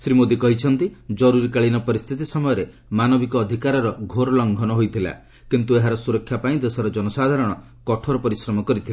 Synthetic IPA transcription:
sɾimod̪ikɔɦit͡ʃʰɔnt̪id͡ʒɔɾuɾikaɭinɔpɔɾist̪ʰit̪isɔmɔjɔɾe | manɔbikɔːd̪ʱikaɾɔɾɔɡʱoɾɔlɔŋɡʱɔnɔɦojt̪ʰila̰ | kint̪ueɦaɾɔsuɾɔkʰːjapaĩd̪esɔɾɔd͡ʒɔnɔsad̪ʱaɾɔɽ̃ɔ | kɔʈʰɔɾɔpɔɾisɾɔmɔkɔɾit̪ʰila

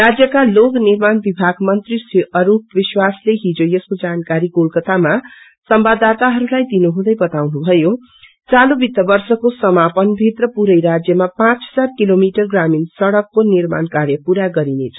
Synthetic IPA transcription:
rad͡zjʌkaloknirmanbibʱaɡmʌnt̪risiʔʌɾup̚ʋiswasleɦĩd͡zojʌskod͡zankaɾiɡolkʌt̪ama | sʌmbad̪at̪aɦʌɾulajd̪inuɦũd̪ʌjbʌt̪awnubʱʌjo | t͡salobit̪ːʌbʌrsʌkosʌmapʌnbʱit̪rʌpuɾʌjɾad͡zjʌmapãt͡ssat̪̚kilomiʈʌrɡraminsʌɽʌkːonirma̰nkaɾjʌpuɾaɡʌɾinet͡sʰʌ̥

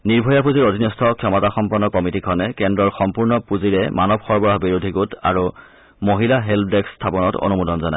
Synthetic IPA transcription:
niɹbʱɔjapuziɹodʱinɔstʰɔkʰɔmɔtaxɔmpɔnːɔkɔmitikʰɔnɛkɛndɹɔɹxɔmpuɹnɔpuziɹɛmanɔb̚xɔɹbɔɹaɦbiɹodʱiɡuta̰ɹu | moɦilaɦelpʰdɛkstʰapɔnɔto̰numudɔnzɔnaj

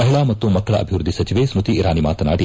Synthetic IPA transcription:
ɐɦiɭaːmɐt̪ːumɐkːɐɭɐ̰ʔɐ̰bʱiʋɾud̪ʱːisɐt͡ʃiʋesɾut̪iːɾaːnimaːt̪ɐna̰ːɽi

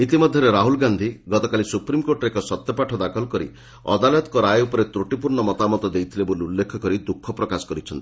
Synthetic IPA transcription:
it̪imɔd̪ʱːjɔɾeɾaɦulɡand̪ʱiɡɔt̪ɔkalisupɾimkoɾʈɾekɔsɔt̪jɔpaʈʰɔd̪akʰɔlɔkɔɾḭ | ɔ̰d̪aljt̪kɔɾaeupɔɾet̪ɾuʈipuɾɳɔmɔt̪amɔt̪ɔd̪ejt̪ʰileboliulːekʰɔkɔɾid̪ukʰːɔpɾɔkasɔ̥kɔɾit͡ʃʰɔnt̪i

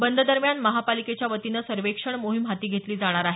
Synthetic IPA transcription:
bənd̪ʱəd̪əɾmjanməɦapaliket͡ɕjaʋət̪inəsəɾʋekʂəɳmoɦimɦat̪iːɡʱet̪liːd͡zaɽ̃aɾaɦe

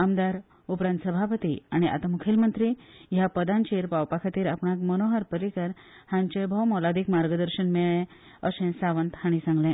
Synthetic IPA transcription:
amd̪aɾ | upɾãnt̪səbʱapət̪ḭaɽ̃iʔa̰t̪amukʰelmənt̪ɾijapəd̪ãɲt͡ɕeɾpawpakʰat̪iːɾapɳakmənoɦəɾpəɾikəɾ | hãɲt͡ɕẽbʱəwmɔlad̪iːkmaɾɡəd̪əɾɕənmeɭɭẽ | əɕẽsaʋənt̪haɽ̃isãŋɡlẽ

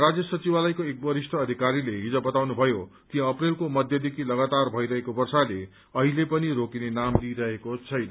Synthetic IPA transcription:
rad͡zjʌsʌt͡sibalajkoek̚bʌɾisʈʰʌːd̪ʱikaɾileɦid͡zobʌt̪awnubʱʌjot̪iɦʌ̃ːprelkomʌd̪ʱjʌd̪ʱekʰilʌɡat̪arbʱʌjɾʌɦekobʌrsale | ʌɦilepʌniɾokinenamliɾʌɦekot͡sʰʌjnʌ

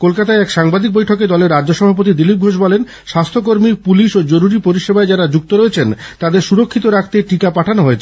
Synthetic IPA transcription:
kolkat̪aeɛkʃaŋbad̪ik̚bojʈʰoked̪ɔleɾːad͡ʑd͡ʑoʃɔbʱap̬ot̪̬id̪ilip̚ɡʱoʃ̬bɔlen | ʃast̪ʰok̬oɾmipuliʃod͡ʑoɾuɾipoɾiʃebaed͡ʑaɾad͡ʑuk̚t̪oɾɔet͡ɕʰent̪ad̪eɾʃuɾokʰːit̪oɾakʰt̪eʈikapaʈʰanoɦoet͡ɕʰe

